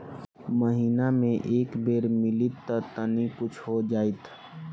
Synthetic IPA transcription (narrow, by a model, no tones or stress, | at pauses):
məɦiːnamẽʔeːkbeːɾmɪlit̪ːət̪ənikʊt͡ʃʰɦod͡ʒaːit̪ʰ